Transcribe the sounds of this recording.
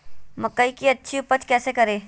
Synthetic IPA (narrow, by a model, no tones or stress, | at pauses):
mɐkːəikiɐtːʃʰiʊpət͡ʃkɛːsekɐɾẽː